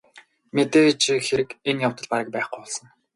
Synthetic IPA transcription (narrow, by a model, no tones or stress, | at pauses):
met̪eːt͡ɕixeɾɘ̆kenjawt̪ə̆ɮpaɾə̆k̚pæːχɡʊwɔɮsə̆ŋ